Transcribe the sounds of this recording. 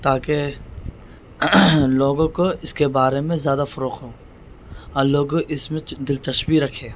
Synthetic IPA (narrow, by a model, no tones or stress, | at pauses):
t̪aːke | loːɡõkoɪskebaːɾemẽzjaːd̪afʊɾoːqɦoː | ɔːloːɡoʔɪsmẽd̪ɪlt͡ʃɐʃbiɾɐkʰeː